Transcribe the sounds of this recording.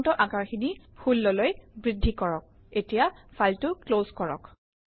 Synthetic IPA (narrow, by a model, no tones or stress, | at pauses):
ntɔʔakaɹxini | hulːɔlojbɹidʱːikɔɹɔk̚ | etijafʰaltʊklozkɔɹɔ̰k